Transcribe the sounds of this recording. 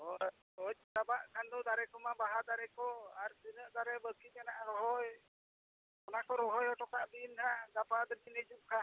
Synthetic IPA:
ɔ | ɔc̚d̪abaʔkʰand̪ɔd̪aɾɛkɔmabaɦad̪aɾɛkɔaɾsinəʔd̪aɾɛbəkit̪̚ˀanaʔɾɔɦɔj | ɔnakɔɾɔɦɔjɔʈɔkaʔb̪intaɡapad̪ɔinəd͡ʒuʔ̚kʰa

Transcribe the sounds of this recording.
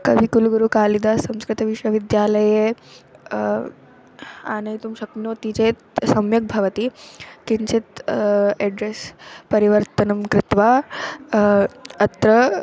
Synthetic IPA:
kɐʋikuluɡuɾukaːlid̪asɐ̃mskɾɪt̪ɐʋiʂʋɐʋid̪jaːlɐje | a̰ːnɐjt̪umʃɐknoːt̪it͡set̪sɐmjɐk̚bʱɐʋɐt̪ikiɲt͡ɕit̪ | eɖɾespɐɾiʋəɾt̪ɐnɐmkɾɪt̪ʋa | ɐt̪ɾə

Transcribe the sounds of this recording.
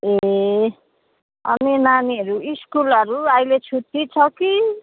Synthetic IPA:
e | ʌ̰ninaniʌɾuiskulʌɾuajlet͡sʰut̪ːit͡sʰʌki

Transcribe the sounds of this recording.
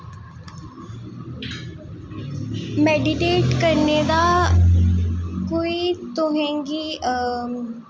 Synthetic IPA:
meɖiʈeːʈkəɾned̪a | koit̪oɦẽŋɡiː

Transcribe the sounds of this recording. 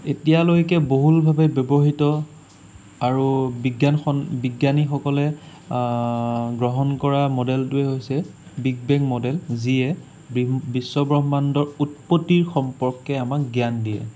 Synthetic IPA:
etijalojkɛboɦulbʱabɛbjɔbɔɦitɔ | aɹubiɡjanxɔnbiɡjanixɔkɔlɛ | ɡɹɔɦɔnkɔɹamɔdɛltʊɛɦojsɛ | biɡ̚bɛŋkmɔdɛlziɛ | bbisːɔbɹɔɦɔmandɔɹut̚potːiɹxɔmpɔɹkːɛamak̚ɡjandijɛ̰

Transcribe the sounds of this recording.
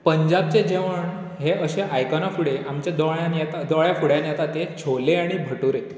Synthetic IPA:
pəɲd͡ʑab̚t͡sed͡ʑeʋəɳ | ɦeəɕeʔajkanafuɽeʔamt͡ɕjad̪aɭjanjet̪ad̪ɔɭjafuɽjanjet̪at̪et͡ɕʰoleaɽ̃ibʱəʈuɾe

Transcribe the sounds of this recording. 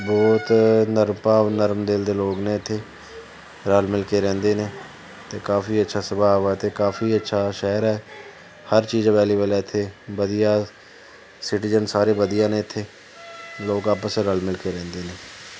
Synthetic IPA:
bɔːt̪nəɾmpaːʋnəɾmd̪eld̪eːloːɡnẽːɪt̪ʰːeː | ɾəlmɪlkeːɾɛ̃ːnd̪eːneː | t̪eːkaːfiːətːʃʰaːsəbaːʋɛːt̪eːkaːfʰiːətːʃʰaːʃɛːɾɛː | həɾt͡ʃiːd͡ʒʋɛːliːʋeːlaːɪt̪ʰːeːbəd̪ijaː | sɪʈiːd͡ʒənsaːɾeːbəd̪ijãːnẽːɪt̪ʰːeː | loːɡaːpəsɾəlmɪlkeːɾɛ̃ːnd̪eːneː

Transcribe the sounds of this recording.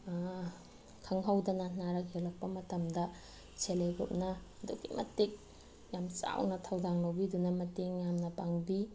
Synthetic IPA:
kʰɐŋɦɐwdɐnannaɾɐkɡelɐk̚pɐmɐtɐmdɐ | sʰelejɡop̚nɐdṵɡḭmɐ̰tːik̚ | jamt͡ʃa̰wnɐtʰɐwdaŋlawbidunɐmɐteŋjamnɐpaŋbi

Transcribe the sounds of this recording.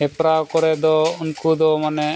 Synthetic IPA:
ɛpɾawkɔɾɛd̪ɔunkud̪ɔmanɛ

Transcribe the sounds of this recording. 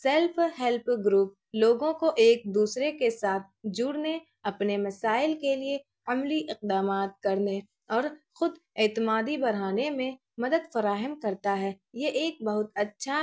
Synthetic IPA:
sɛlfɦɛlpɡɾuːp̚loːɡõkoʔeːk̚d̪uːsɾekesaːt̪̚ʰd͡ʒʊːɽne | ɐpnemɐsaːɪlkelie | ɐmliʔɪq̚d̪aːmaːt̪̚kɐɾne | ɔːɾxʊd̪eːt̪ɪmaːd̪ibɐɽ̤aːnemẽ | mɐd̪əd̪fɐɾaːɦəmkɐɾt̪aɦɛː | jeʔeːk̚bɐɦʊt̪ɐtːʃʰa

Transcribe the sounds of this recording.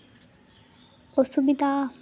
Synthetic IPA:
osubid̪ʱaː

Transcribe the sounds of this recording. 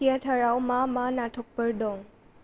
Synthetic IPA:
ijatʰaɾawmamanatʰɔk̚pɐɾdɔŋ

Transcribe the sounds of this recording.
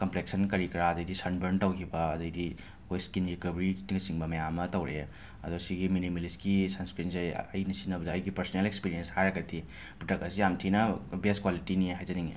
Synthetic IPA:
kɐmplek̚sɐnkɐɾikɾaːdɐjdisɐnbɐɾntɐwkʰibɐːdɐjdi | kojskinɾikɐbɐɾiɡɐsiŋbɐmɐjamɐtɐwɾʔḛ | ɐdusiɡiminimɐliskisɐnskɾinsaj̰ɐ̰jnɐsinɐbɐdɐjɡipɐɾsnelekspiɾijenshajɾakɐtʰi | pɾotɐkɐsijamtʰinɐbeskwalitiniɦajzɐniŋḭ

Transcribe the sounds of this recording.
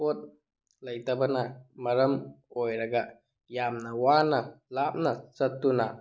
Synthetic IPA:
ot̪̚ | ləjt̪ɐbɐnamɐɾəm | ojɾɐɡa | jamnawanalap̚nasɐt̪ːuna

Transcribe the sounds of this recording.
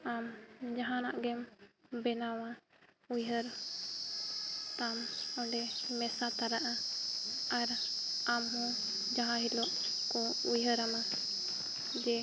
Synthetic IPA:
amd͡ʒaɦãnaʔɡɛmbɛnawa | ujɦəɾ | t̪amɔɳɖɛmɛsat̪aɾaʔa | aɾamɦɔ̃ | d͡ʒaɦãɦilɔʔ | kɔ | ujɦəɾama | d͡ʒɛ

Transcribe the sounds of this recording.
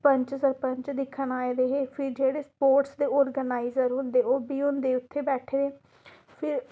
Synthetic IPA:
pəɲt͡ʃsəɾpəɲt͡ʃd̪ɪkʰːənaːeːɾeːɦeːpʰɪɾd͡ʒeːɽeːspoːɾʈsd̪eːɔːɾɡənaːizəɾɦʊ̃nd̪eːoːbiːʊ̃nd̪eːʊt̪ʰːeːbɛːʈʰeːɾeː | pʰɪɾ

